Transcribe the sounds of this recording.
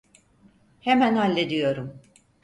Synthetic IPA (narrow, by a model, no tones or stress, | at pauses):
hemænalʲːed̪ijo̞ɾum